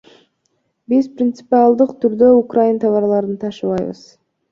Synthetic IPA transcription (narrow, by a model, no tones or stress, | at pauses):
bizprʲɪnt̪sɨ̥pialˠd̪ɯqt̪ʰyɾd̪øukrajint̪ʰɑvɑɾlˠɑɾɯnt̪ʰɑʃɯβɑjβɯ̰z̥